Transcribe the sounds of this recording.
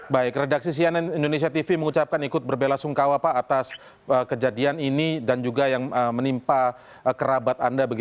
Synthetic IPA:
baɪk̚redak̚sis̬iananindones̬iat̪ifiməŋut͡ʃap̚kanikʊt̪̚bərbelasuŋkawapaːt̪as | əkəd͡ʒadianinidand͡ʒuɡajaŋəmənimpa | kəɾabat̪andabəɡit

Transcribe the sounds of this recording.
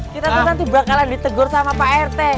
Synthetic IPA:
kit̪at̪anant̪ibɾakaladit̪əɡʊrsamapaɛrt̪ɛ

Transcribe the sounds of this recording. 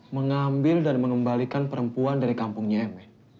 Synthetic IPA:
məŋambɪldanməŋəmbalikanpəɾəmpuandaɾikampʊŋɲaɛmɛ

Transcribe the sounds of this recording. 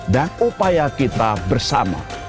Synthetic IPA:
danupajakit̪abərsa̰ma̰

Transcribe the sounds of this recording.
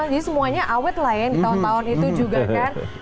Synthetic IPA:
d͡ʒadisəmuaɲaʔawɛt̪̚lajɛŋdit̪aʊnt̪aʊnit̪ud͡ʒuɡakan

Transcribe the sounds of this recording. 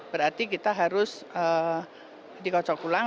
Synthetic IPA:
bəɾart̪ikit̪aɦaɾʊsə | dikɔt͡ʃɔkula

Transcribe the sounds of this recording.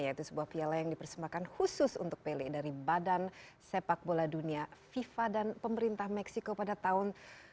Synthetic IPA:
jait̪usəbuahpialajaŋdipərsəmbakanhusʊsṵnt̪ʊk̚pelɛdaɾibadansepak̚boladuniafifadanpəməɾint̪ahmɛksikopadat̪aʊn

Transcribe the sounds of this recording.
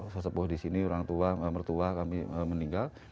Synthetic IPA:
sosəbʊhdisiniuɾaŋt̪uaəmərt̪uakamiəməniŋɡal

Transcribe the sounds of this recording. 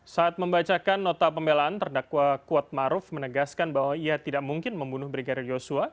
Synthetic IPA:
saːt̪̚məmbat͡ʃakanːɔt̪apəmbelaant̪ərdakwakuat̪̚maɾʊfmənəɡaskanbawaiat̪idaʔmuŋkɪnməmbunʊhbɾiɡadɪrjosua

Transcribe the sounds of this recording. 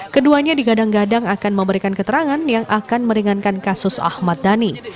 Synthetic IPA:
kəduaɲadiɡadaŋɡadaŋakanməmbəɾikankət̪əɾaŋanjaŋʔakanməɾiŋankankasʊsa̰hmat̪̚dani

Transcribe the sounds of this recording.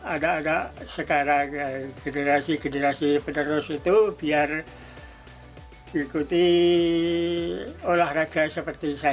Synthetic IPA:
adaːdasəkaɾaɡ̥eneɾasiɡənəɾasipənəɾʊsit̪ubiar | ikut̪i | olahraɡasəpərt̪isa

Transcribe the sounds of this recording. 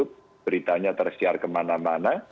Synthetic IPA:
ʊp̚ | b̥əɾit̪aɲat̪ərsiarkəmanamana

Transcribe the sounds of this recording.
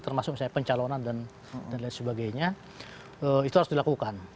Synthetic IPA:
t̪ərmasʊksajapəɲt͡ʃalonandan | danlajt̪səbaɡajɲa | əit̪uhaɾʊsdilakukan

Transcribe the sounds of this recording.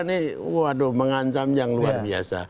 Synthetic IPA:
niwoadoməŋaɲt͡ʃamjaŋluarbia̰sa̰

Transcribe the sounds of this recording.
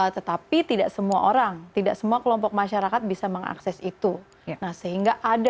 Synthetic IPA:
t̪ət̪apit̪idaʔsəmua̰ʔoɾaŋt̪idaʔsəmuakəlɔmpɔk̚maʃaɾakat̪̚bisaməŋa̰ksɛsit̪u | nahsəɦiŋɡaʔad

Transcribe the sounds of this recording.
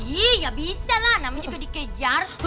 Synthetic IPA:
ijabisalanamad͡ʒukədikəd͡ʒarhu

